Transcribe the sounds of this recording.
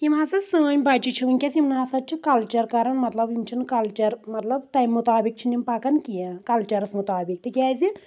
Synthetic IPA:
jimɐsɐsəːnʲbɐt͡ʃit͡ʃʰiʋɨnʲkʲɐsimnɐsɐt̪̚t͡ʃʰikɐlt͡ʃɐɾkɐɾɐnmɐt̪lɐbjimt͡ʃʰinɨkɐlt͡ʃɐɾmɐt̪lɐbt̪ɐjmut̪aːbik̚t͡ʃʰinimpɐkɐnkijɐkɐlt͡ʃɐɾɨsmut̪aːbik̚t̪ɨkʲaːzi

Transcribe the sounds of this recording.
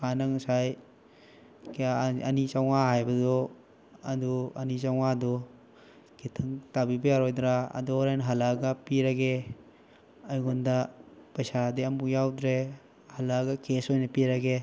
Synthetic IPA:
kanaŋusaj | kaɐnit͡ʃawŋaɦajbɐdɔ | ɐduɐnit͡ʃawŋadɔ | kʰitʰɐŋtabibɐjaɾojdɾa̰ːdɔɾajnɦalaɡapiɾaɡe | ajɡundapajsadeɐmukjawdɾe | halaɡakesojnɐpiɾaɡe

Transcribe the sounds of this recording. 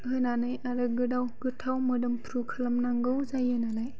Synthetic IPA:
hɯjnanɯjaɾɯɡɯdawɡɯtʰawmɯdɯmpʰɾukʰalamnaŋɡɯwzajɯnalaj

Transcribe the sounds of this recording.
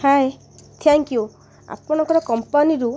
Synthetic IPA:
haj | t̪ʰaŋkju | a̰pɔnɔ̃ŋkɔɾɔkɔmpaniɾu

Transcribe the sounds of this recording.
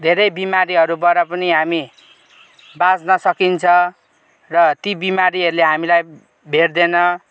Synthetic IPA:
d̪ʱeɾʌjbimaɾiɦʌɾubwaɾʌpʌniɦami | bad͡znʌsʌkint͡sʰʌ | rʌt̪ibimaɾiʌɾuleɦamilaj | bʱerd̪enʌ

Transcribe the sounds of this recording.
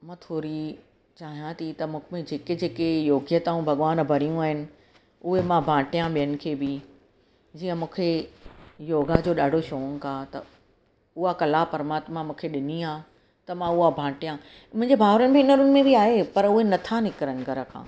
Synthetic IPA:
mãːt̪ʰoːɾi | t͡ɕaːɦijãt̪ʰit̪ɐmũːkmẽd͡ʑeːked͡ʑeːkejoːɡjət̪aːũbʱɐɠʋaːnbʱɐɾijũaːɦɪnɪ̆ | ʊɦemãbʱãːʈijãɓijənɪ̆kʰeːbɪ | d͡ʑiːə̃mũːkʰe | joːɡad͡ʑoːɗaːɖʱoʃoːn̆k̪ʰaːt̪ɐ | ʊɦakɐlapɐɾmaːt̪mãmũːkʰeɗɪniaː | t̪ɐmãʊɦabʱãːʈijã | mʊ̃ɪ̃ɲd͡ʑebʱaːɦɾənɪ̆bʱeːnəɾʊnɪ̆mẽbiaːɦepɐɾʊɦenɐt̪ʰanɪkɾənɪ̆ɡɐɾəkʰã̰ː

